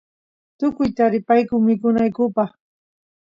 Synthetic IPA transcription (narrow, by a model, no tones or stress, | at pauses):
t̪ʊkʊjt̪aɾɪpajkʊŋmɪkʊnajkʊpɑχ